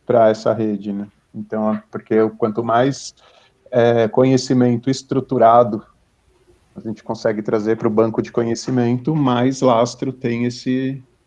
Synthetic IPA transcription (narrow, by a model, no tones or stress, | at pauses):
pɾɐɛsɐ̰ɦed͡ʒɪnɛ | ẽnt̪ɐ̃w̃ɛpoɾkeʊkwɐ̃nt̪ʊmajs | ɛkõɲesimẽnt̪ʊɪst̪ɾut̪uɾad̪ʊ | ɐʒẽnt͡ʃɪ̥kõsɛɡɪt̪ɾazeɾpɾʊbɐ̃ŋkʊd͡ʒɪkõɲesimẽnt̪ʊmajzlast̪ɾʊt̪ẽj̃esɪ